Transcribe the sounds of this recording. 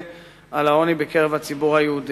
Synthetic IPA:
alao̞nibekeʁevhat͡sibuʁhajeud

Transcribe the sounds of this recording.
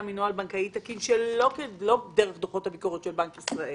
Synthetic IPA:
minualbankait̪akinʃelo̞kelodeʁeχd̪oχo̞thabiko̞ʁet̪ʃelbankisʁaʔe

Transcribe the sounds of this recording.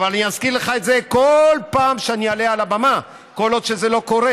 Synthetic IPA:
valaniazkiʁleχaet̪zekolpaːmʃeanialealabama | ko̞lo̞d̪ʃezelo̞ko̞ʁe

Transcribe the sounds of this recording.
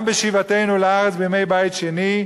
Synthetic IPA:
mbeʃivate̞jnuleaʁet͡sbeme̞jbajitʃeni

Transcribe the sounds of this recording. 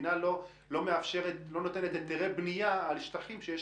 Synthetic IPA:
nalo̞ | lo̞meafʃeʁet̪lo̞not̪e̞net̪et̪ːiʁebnijaːlʃt̪aχimʃeje

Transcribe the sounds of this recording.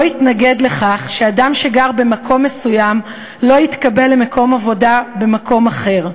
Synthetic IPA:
jitnaɡe̞dle̞χaχʃeadamʃeɡaʁbe̞makʰo̞mːe̞sujam | lo̞jit̪kabe̞lːemako̞mavo̞dabe̞makʰo̞maχe̞ʁ

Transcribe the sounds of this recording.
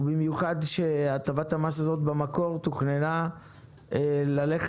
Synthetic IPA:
bimjuχad̪ʃeatavathamasazo̞t̪bamako̞ʁt̪uχnena | elale̞χ

